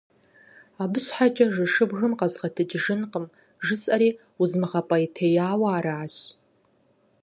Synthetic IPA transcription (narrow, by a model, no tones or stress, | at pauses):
aːbɨɕħat͡ʃʼɐʒɨʂɨbɣɨmqɐzʁɐtʰɨd͡ʒʒɨnqəm | ʒɨt͡sʼɐɾiː | ʊzmɨʁɐpʼɐitʰejaːwaaːɾaːɕ